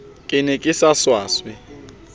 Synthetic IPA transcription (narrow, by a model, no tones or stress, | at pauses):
kʼɪnɛkʼɪsaswaːswɛ